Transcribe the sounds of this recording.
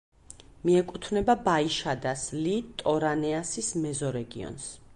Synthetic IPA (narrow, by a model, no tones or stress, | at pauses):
miɛkʼut̪ʰvnɛbabaiʃad̪aslit̪ʼɔɾanɛasismɛzɔɾɛɡḭɔ̰ns